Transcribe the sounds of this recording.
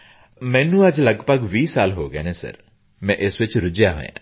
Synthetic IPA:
mɛ̃ːnũɐd͡ʒlɐɡbəɡʋiːsaːlɦoːɡḛnɛsɐ̰ɾ | mɛ̃ːʔɪsʋɪt͡ʃɾʊd͡ʒjaɦo̰ːjã̰ː

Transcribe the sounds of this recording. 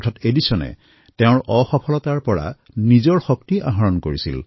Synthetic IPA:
tʰatedisɔnɛ̰ | teʊ̃ɹʔɔxɔpʰɔlɔtaɹpɔɹa̰ | nizɔɹxɔk̚tiʔa̰ɦaɹɔnkoɹisḭl

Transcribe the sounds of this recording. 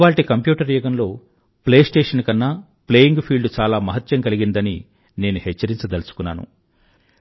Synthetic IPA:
ʋaːlʈikɐmpjuːʈɐɾjɛːɡɐnlo̞ː | ple̞ːsʈeːʂɐnkɐnːa | ple̞ːjiŋɡpʰiːlɖut͡ʃaːlaːmɐɦɐt̪jɐŋkɐliɡind̪ɐni | ne̞ːnuhɛt͡ʃːɐɾiɲt͡ʃɐd̪ɐlɐsu̥kunːa̰ːnṵ

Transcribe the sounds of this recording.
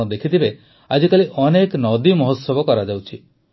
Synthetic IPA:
ɔd̪ekʰit̪ibe | ad͡ʒikaliʔɔneknɔd̪imɔɦɔt̪sɔbɔkɔɾad͡ʒawt͡ʃʰi

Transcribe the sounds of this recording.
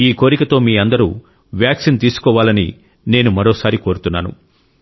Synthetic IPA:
iːko̞ːɾikɐt̪o̞ːmiːɐnd̪ɐɾṵː | ʋjaːksint̪iːsu̥kɔːʋaːlɐnḭ | ne̞ːnumɐɾo̞ːsaːɾiko̞ːɾut̪unːaːnṵ

